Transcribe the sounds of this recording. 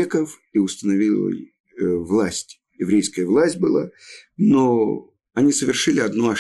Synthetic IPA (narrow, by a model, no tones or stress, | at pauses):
ekəf | iʊst̪ənɐvʲilˠə̰ | vlˠasʲtʲ | jɪvɾʲejskəjəvlˠasʲtʲbɨlˠa̰no | ɐnʲisəvʲɪrʂɨlʲɪɐd̪nuɐ